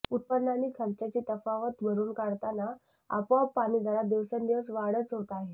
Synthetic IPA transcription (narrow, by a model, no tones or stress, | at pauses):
ut̪̚pənːanːiːkʰəɾt͡ɕat͡ɕiːt̪əfaʋət̪bʱəɾuːnkaɽt̪ana | a̰pʋapaɽ̃iːd̪ʱaɾad̪iʋsənd̪iʋəsʋaɽət͡sɦot̪aɦe